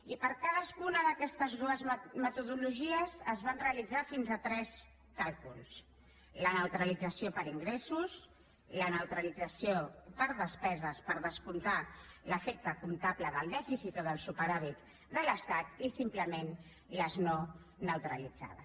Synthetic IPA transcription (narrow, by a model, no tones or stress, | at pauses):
ipəɾkaðəskunəðəkɛst̪əzɣɾoəzmət̪uðuluʒiəzəzβanreəlid͡zafinzət̪ɾɛs | kalˠkulˠs | lənəwt̪ɾəlid͡zəsiopəɾiŋɡɾesus | lənəwt̪ɾəlid͡zəsiopəɾðəspɛzəspəɾðəskunt̪aləfek̚t̪əkunt̪apləðəlˠd̪ɛfisit̪oðəlˠsupəɾaβ̞it̪ | d̪ələst̪at̪isimpləmen | ləzno | nəwt̪ɾəlid͡za̰ðə̰